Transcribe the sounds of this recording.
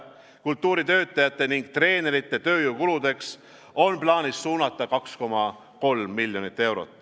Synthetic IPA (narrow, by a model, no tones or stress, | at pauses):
kult̪ːˑuːɾit̪ø̞ːt̪ːˑɑjɑt̪ːˑe̞niŋɡ̥̚t̪re̞ːne̞ɾit̪ːˑe̞t̪ø̞ːjuːkulud̪̥e̞ks | o̞nplɑːnissuːnɑt̪ːˑɑkɑksko̞mɑ | ko̞lmːilʲjo̞nit̪ːˑe̞wɾo̞̰t̪ːˑ